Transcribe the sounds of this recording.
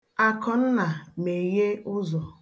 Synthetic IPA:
a˨kɔ˨n̩˦na˨me˨je˦ʊ˦zɔ˨

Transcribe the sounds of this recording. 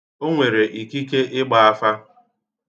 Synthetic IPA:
o˦ŋʷe˨ɾe˨ʔi˨ki˦ke˦ʔɪ˦ɡ͡ba˨a˦fa˦

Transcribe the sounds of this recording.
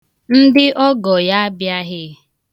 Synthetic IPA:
n̩˦dɪ˦ʔɔ˦ɡɔ˨ja˦a˦bja˦ɦɪ˦

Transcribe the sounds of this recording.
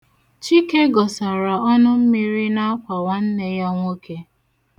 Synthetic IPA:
t͡ʃi˦ke˦ɡɔ˨sa˨ɾa˨ɔ˦nʊ˦m̩˦mi˦ɾi˦na˦a˦kʷa˨wa˦n̩˦ne˦ja˦ŋʷo˦ke˦

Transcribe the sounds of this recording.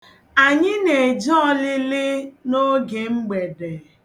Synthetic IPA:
a˨ɲɪ˦ne˨d͡ʒɔ˦lɪ˦lɪ˦no˦ɡe˨ŋ͡m̩˦ɡ͡be˨de˨

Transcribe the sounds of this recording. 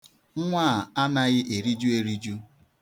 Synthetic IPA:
ŋ̩˦ŋʷa˦˨a˦na˦ɣɪ˦ʔe˨ɾi˦d͡ʒu˦e˦ɾi˦d͡ʒu˦

